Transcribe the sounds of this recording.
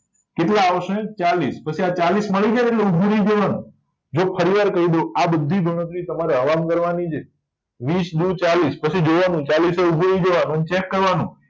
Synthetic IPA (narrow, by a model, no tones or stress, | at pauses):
keʈlaːʋəʃẽt͡ʃalispət͡ʃʰiat͡ʃalisməɭid͡ʒaeʈleubʱuɾid͡ʒeʋanũ | d͡ʒopʰəɾiʋaɾkəɦid̪oabəd̪ʱːibʱəɽ̃ət̪ɾit̪əmaɾeɦəʋamkəɾʋanit͡ʃʰe | ʋisd̪ut͡ʃalispət͡ʃʰid͡ʒoʋanũt͡ʃaliseubʱuɾid͡ʒoʋanũənet͡ʃekːəɾʋanũ